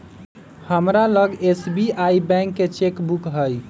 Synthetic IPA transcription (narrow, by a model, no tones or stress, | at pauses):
həmɾaləɡesbiajbɛ̃ŋkːet͡ʃekbukɦəj